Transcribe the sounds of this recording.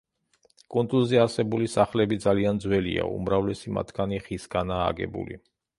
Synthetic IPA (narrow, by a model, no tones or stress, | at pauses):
kʼund̪ulˠzɛaɾsɛbulisaχlɛbid̪zaliand̪zwɛlḭa̰ṵmɾavlɛsima̰t̪ʰɡaniχisɡana̰ːɡɛ̰bṵlḭ